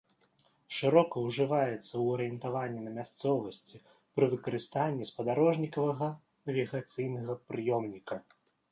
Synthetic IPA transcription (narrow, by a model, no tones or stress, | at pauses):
ʂɨɾɔkɐwʐɨvajɛt̪sːɐwɐɾɨjɛnt̪avanʲːinɐmʲast̪sɔvɐsʲt͡sʲi | pɾɨvɨkɐɾɨst̪anʲːɛspɐd̪aɾɔʐnʲikɐvɐɣɐ | nɐvʲiɣat̪sɨjnɐɣɐpɾɨjɔmnʲikɐ